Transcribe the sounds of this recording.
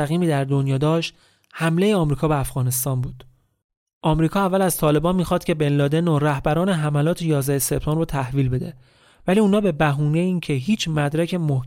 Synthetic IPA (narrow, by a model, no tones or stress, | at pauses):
æɣiːmiːd̪æɾd̪o̞njɒːd̪ɒːʃt̪ | hæmle̞jeɒːmɾiːkʰɒːbe̞æfɣɒːne̞st̪ɒːnbuːd̪̥ | ʔɒmɾiːkʰɒːævːælæzt̪ʰɒːle̞bɒːnmiːxɒːd̪̥kcʰe̞benlɒːd̪enoɾæhbæɾɒːneɦæmælɒːt̪ʰejɒːzd̪æhese̞b̥̚t̪ɒːmrot̪ʰæhviːlbe̞d̪e | væliːunɒːbe̞bæɦuːneiːncʰeɦiːt͡ʃʰmæd̪ɾæcʰe̞moh